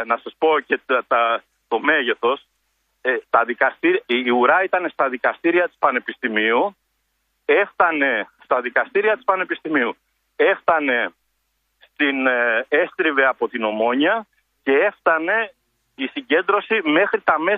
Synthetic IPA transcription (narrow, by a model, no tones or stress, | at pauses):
nɐsɐspo̞cet̪ɐ | t̪o̞me̞ʝe̞θo̞s | t̪ɐðikɐst̪iɾuɾɐit̪ɐne̞st̪ɐðikɐst̪iɾiɐt̪i̥spɐne̞pist̪imiu | e̞ft̪ɐne̞st̪ɐðikɐst̪iɾiɐt̪i̥spɐne̞pist̪imiu | e̞ft̪ɐne̞ | st̪ine̞st̪ɾive̞ɐpo̞t̪ino̞mo̞ɲiɐ | ce̞e̞ft̪ɐne̞ | isiɲɟe̞nd̪ɾo̞sime̞xɾit̪ɐme̞